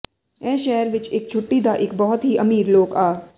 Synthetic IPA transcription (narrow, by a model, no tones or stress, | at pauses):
ɛ̃ːʃɛːəɾʋɪt͡ʃeːk̚t͡ʃʰʊʈːid̪aʔeːkbɔɦʊt̪ɦiʔɐmiːɾloːkaː